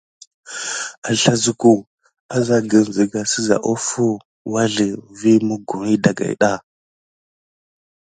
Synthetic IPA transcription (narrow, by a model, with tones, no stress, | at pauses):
a˨ɬa˨zu˦ku˨ | a˦za˦ɡə˨n˨zə˨ɡa˨si˦za̰˨ʔo˦fu˦ | wa˦ɮə˨vi˦mu˦ɡu˨ɾi˦da˨ɡa̰˨ḭ˨ɗa˦